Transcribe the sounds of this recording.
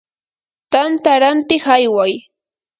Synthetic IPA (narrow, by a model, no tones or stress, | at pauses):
t̪ant̪aɾant̪ɪχajwaj